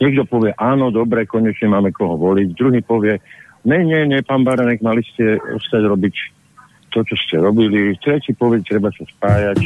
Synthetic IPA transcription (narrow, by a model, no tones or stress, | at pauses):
ɲɛɡd̪ɔpɔʋɪɛʔaːnɔd̪ɔbɾɛkɔɲɛt͡ʃɲɛmaːmɛkɔɦɔʋɔliɟd̪ɾuɦiːpɔʋɪɛ | ɲɛɲɪɛɲɛpaːnbaɾanɛɡmaliscɛɔ̰st̪aɟɾɔbic | t̪ɔt͡ʃɔscɛɾɔbilit̪ɾɛcipɔʋɛt̪ɾɛbasaspaːjac